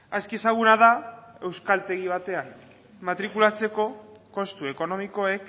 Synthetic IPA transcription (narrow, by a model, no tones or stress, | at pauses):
askiesaɣ̞unaðae̞wskalt̪e̞ɣiβ̞at̪e̞an | mat̪ɾikulat͡se̞ko̞ko̞st̪ue̞ko̞no̞miko̞e̞k